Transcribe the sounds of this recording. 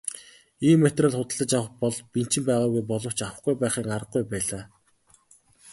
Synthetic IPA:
iːmːet̪raɮχʊt̪ə̆ɮə̆t͡ɕjawə̆χpɔɮpin̥t͡ɕɪ̆mpæːʁaːɣujp̬ɔɮɞ̆w̥t͡ɕawə̆χɡujpæːχiːŋaɾə̆ɡujpæːɮaː

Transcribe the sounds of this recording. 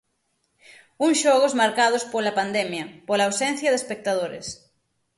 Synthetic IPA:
uŋʃɔɣ̞ozmaɾkað̞ospolapand̪ɛmjɐpolaːwsɛ̃n̟θjɐðespek̚t̪aðoɾḛs

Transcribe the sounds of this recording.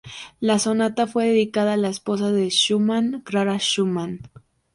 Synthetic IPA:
lasonat̪afweðeðikaðaːlaespos̬aðeʃumankɾaɾaʃuman

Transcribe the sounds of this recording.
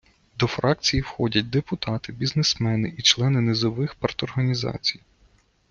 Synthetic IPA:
d̪ɔfɾɑk̚t͡sʲijiwxɔdʲɐt̚ʲd̪epʊt̪ɑt̪ɪbʲiznesmɛnɪʔit͡ʃlˠɛnɪnezɔʋɪxpɐrt̪ɔrɦɐnʲizɑ̰t͡sʲij

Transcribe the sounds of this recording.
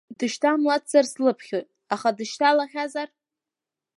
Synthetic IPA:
dɨʃtʰamlatzarslɨpʰχʲojtʼ | aχadɨʃtʰalaχʲazar

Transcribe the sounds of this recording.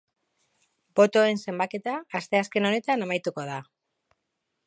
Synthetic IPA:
bo̞t̪o̞e̞nse̞mbake̞t̪aːst̪e̞aske̞no̞ne̞t̪anamajt̪uko̞ð̞a

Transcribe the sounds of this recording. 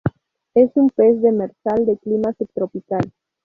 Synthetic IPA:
e̞sumpe̞zðemeɾsald̪e̞klimasep̚t̪ɾopikal

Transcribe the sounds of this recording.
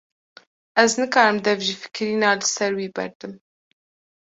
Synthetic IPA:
ʔɛznɨkɑːɾɨmd̪ɛvʒifɨ̥kɾiːnɑːlɨsɛɾwiːbɛ̰ɾt̪ɨm

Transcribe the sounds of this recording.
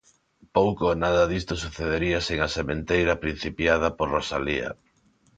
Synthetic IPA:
powkonaðɐðist̪osuθeðeɾiɐseŋasemẽnt̪ejɾɐpɾin̟θipjað̞ɐpoɾrosalḭɐ̰

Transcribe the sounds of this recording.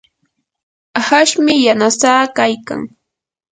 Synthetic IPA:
haʃmɪjanasaːkajka̰ŋ

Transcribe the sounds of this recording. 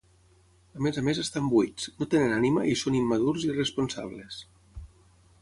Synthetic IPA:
əmezamezəst̪ambwit͡snot̪enenanimaʔisonimːaðuɾziresponsa̰βles

